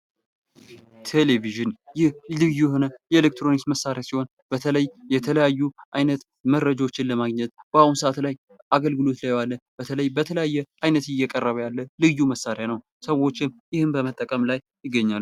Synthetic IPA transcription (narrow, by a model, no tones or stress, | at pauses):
t̪ʰe̞leviʒɨnjɪhlɨjuhonəjɛelek̚t̪ɾo̞nisməsːaɾjasiho̞n | bət̪ʰələjjɛt̪ʰələjajːuʔajnət̪ | məɾːəd͡ʒaot͡ʃːɪnləmaɡɲɛt̪̚b̥əaunsəʔat̪laj | ʔaɡəlɡɨlo̞t̪lajwalːəb̥ət̪ʰələjbət̪ʰələjajːɛʔajnət̪ɪjːɛkʼərːəβəjalːəlɨjːuməsːaɾjanəw | səwo̞t͡ʃːɪmjɪhɨmbəmət̪ʼːəkʼəmlaj | jɪɡːəɲːal